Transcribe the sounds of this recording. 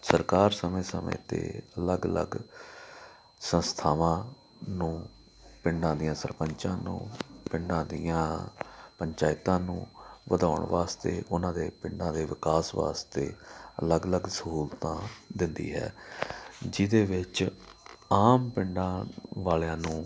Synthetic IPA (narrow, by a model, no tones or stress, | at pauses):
səɾkaːɾsəmẽːsəmḛ̃ːt̪ḛːələɡələ̰ɡ | sə̃nst̪ʰaːʋãː | nũː | pɪɳɖãːd̪ijãːsəɾpəɲt͡ʃã̰ːnṵ̃ːpɪɳɖãːd̪iːãːpəɲt͡ʃaːɪt̪ãːnṵ̃ːʋəd̪aːʊɳʋaːst̪ḛːʔʊnãːd̪eːpɪɳɖãːd̪eːʋɪkaːsʋa̰ːst̪ḛːələɡələɡsəɦuːlt̪ãːd̪ɪnd̪ḭːɦɛ̰ː | d͡ʒɪd̪eːʋɪt͡ʃ | aːmpɪɳɖãːʋaːleãːnũː